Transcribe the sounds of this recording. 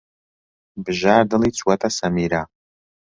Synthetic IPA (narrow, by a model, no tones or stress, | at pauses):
bʒaːrdɨliːt͡sʷʰʼwɐtʼasamiɾaː